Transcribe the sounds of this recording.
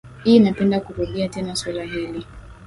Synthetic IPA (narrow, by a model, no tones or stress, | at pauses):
hiːnapɛndakuɾuɗiatɛnaswalaɦili